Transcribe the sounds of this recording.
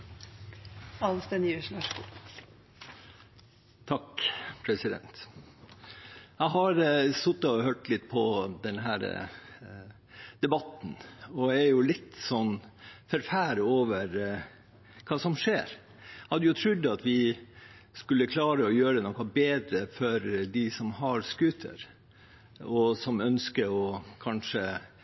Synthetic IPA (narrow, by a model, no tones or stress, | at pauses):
ɑnst̪ɛnjʉʂlɑʂ | t̪ʰɑkpʰɾɛsɪd̪ɛ̰nt̪ | æɪɦɑɾsʊt̪ːɑɔhøʈlɪt̪ːpʰɔd̪ɛnɦæːɾ̰ | d̪̥ɛbɑt̪ːn̩ɔæɾjʊlɪt̪ːsɔnːfɔɾfæːɾoːʋəɾ | kʰɑːsɔmʂeːɾ | hɑd̪ːəjʊt̪ʰɾʉd̪ːɑt̪ʰʋɪ | skʉlːəkʰlɑːɾəɔjøːɾənɔkɑbeːd̪ɾəfɔɾd̪ɪsɔmhɑɾskʉːt̪ʰə̰ɾ | ɔsɔmœnskəɔkʰɑnʂə